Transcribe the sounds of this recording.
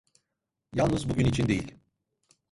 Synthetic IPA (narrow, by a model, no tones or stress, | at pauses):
jalˠnɯzbuɟynit͡ʃʰind̪e̞jilʲ